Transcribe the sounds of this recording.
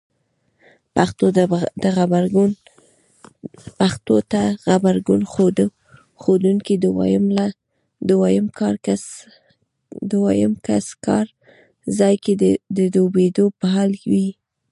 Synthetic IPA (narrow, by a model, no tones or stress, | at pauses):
paxt̪od̪əɣabaɾɡn | paxt̪ot̪axabaɾɡunxod̪ | xod̪uŋkid̪w̰jmla | d̪uwajəmkɑɾa | d̪wajəmkaskɑ̰ɾ | zɑjked̪əd̪obed̪opaɦɑlwi